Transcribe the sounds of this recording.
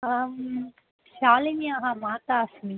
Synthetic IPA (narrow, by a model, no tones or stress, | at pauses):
ʃaːleniaɦãmãːt̪asmi